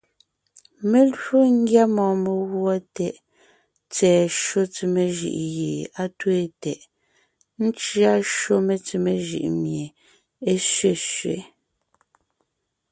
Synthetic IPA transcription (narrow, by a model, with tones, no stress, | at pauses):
me˦lɰo˦ŋ̩˦ɡja˦mɔː˨me˨ɣwɔ˦tɛ˨ʔ | t͡sɛː˨ʃo˦t͡si˨me˨ʒḭ˦˨ʔjeː˨a˦twe˦tɛ˨ʔ | n̩˦t͡ʃɰa˦ʃo˦me˨t͡si˨me˦ʒḭ˦˨ʔmje˨ | e˦ʃɥe˨ʃɥḛ˨˦